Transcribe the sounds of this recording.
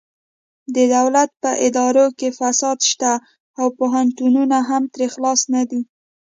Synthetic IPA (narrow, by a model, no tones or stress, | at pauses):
d̪əd̪awlat̪̚pəʔɪd̪ɑɾokefasɑd̪ʃt̪aː | wpoɦant̪ununaɦamt̪ɾexlɑsnad̪i